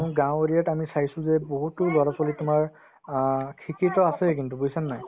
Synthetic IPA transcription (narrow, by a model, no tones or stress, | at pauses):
ũɡãw̃ɹijatamisajsʊ̃zɛboɦutʊlɔɹɔkɔlitʊmaɹ | kʰikʰitɔasɛkintubojsanːaj